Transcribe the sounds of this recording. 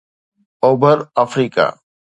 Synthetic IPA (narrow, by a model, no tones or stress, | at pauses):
oːbʱəɾafɾiːka̰ː